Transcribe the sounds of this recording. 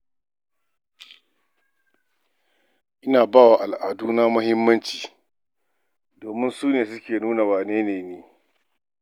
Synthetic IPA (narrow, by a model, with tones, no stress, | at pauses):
ʔɪ˦naː˨baː˦wa˨ʔa˨lʔaː˨duː˦naː˦mʊ˦hɪ˦mːɐ˦nt͡ʃiː˨ | doː˨mɪ˦nsuː˦neː˨s̬ʊ˦kʲeː˨nuː˦na˨waː˨neː˦neː˨neː˦